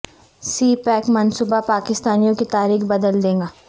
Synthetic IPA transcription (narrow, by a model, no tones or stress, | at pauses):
siːpɛːkmɐnsuːbapaːkɪst̪aːnijõkit̪aːɾiːxbɐd̪əld̪ẽːŋɡaː